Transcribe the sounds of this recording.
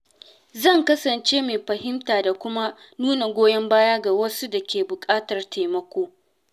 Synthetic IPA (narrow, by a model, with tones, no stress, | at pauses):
zɐ˦˨ŋkɐ˦sɐ˨nt͡ʃeː˦me˨ɸɐ˨hɪ˦mtaː˨da˨kʷʊ˦ma˦ | nuː˦na˨ɡʷoː˦jɛ˦mbaː˦ja˦ɡa˨wɐ˦su˦dɐ˨kʲeː˨bʊ˨kʼaː˦tɐ˨rtʰa˨mɐ˦kʷoː˦